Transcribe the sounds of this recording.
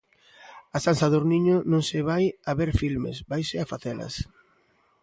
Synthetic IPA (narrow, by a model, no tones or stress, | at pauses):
asansaðoɾniɲonõŋsɪβajaβeɾfilmḛsbajsɪafaθɛlɐ̰s